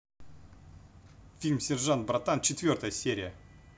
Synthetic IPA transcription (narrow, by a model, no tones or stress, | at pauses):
fʲilʲmsʲɪrʐant̪bɾat̪ant͡ɕt͡ʃɪt̪vʲo̞rt̪əjəsʲeɾʲɪjə